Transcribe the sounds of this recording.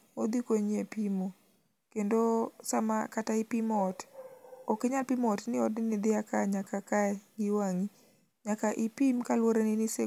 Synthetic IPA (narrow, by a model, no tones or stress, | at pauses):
od̪ikoɲepimo | kendosamakataɪpimɔtɔkeɲalpimɔtnɪɔtnɪnɪd̪ɪakaɲakakaɛɡɪwaŋi | ɲakaʔɪpimkalwoɾenɪnɪse